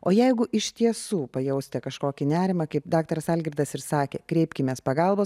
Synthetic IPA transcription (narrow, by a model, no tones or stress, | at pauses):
oːjɛɪɡʊʔɪʃʲt̪ʲiɛsuːpɐjɛʊsʲt̪ʲɛkɐʃkoːkʲɪnʲæːɾʲɪmɐkɐɪpd̪ɑːk̚t̪ɐɾɐsɑːlʲɡʲɾʲɪd̪ɐsɪɾsɑːkʲḛːkɾʲɛɪpʲkʲɪmʲeːspɐɡɑlˠboː